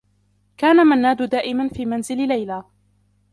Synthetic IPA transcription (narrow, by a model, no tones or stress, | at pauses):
kaːnamanːaːd̪ʊd̪aːʔɪmanfiːmanzɪllajlaː